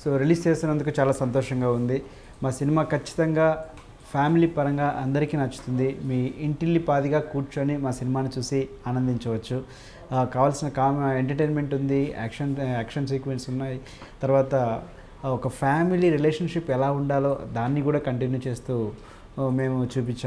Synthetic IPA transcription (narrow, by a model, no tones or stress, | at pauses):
soːɾiliːst͡ʃe̞ːst̪unɐnd̪ukut͡ʃaːlaːsɐnt̪ɔːʂɐŋɡaːund̪i | maːsinimaːkɐt͡ʃːi̥t̪ɐŋɡaː | pʰaːmiliːpɐɾɐŋɡaːʔɐnd̪ɐɾikiːnɐt͡ʃːu̥t̪und̪imiːiɳʈilːipaːd̪iɡaːkuːɾt͡ʃoɐnimaːsinimaːnit͡ʃuːsiaːnɐnd̪iɲt͡ʃɐʋɐt͡ʃːu | kaːʋaːlsinɐkaːmeɳʈɐʈeːnme̞ɳʈund̪ia̰ːkʂɐnaːkʂɐns̬iːkʋe̞nʈsunːaːji | t̪ɐɾuʋaːt̪ɐ | ɔkɐpʰaːmiliɾileːʂɐnʂipɛlaːuɳɖaːlo̞ːd̪aːnːikuːɽaːkɐɳʈinjuːt͡ʃe̞ːst̪uː | me̞ːmut͡ʃuːp̬iɲt͡ʃːaːm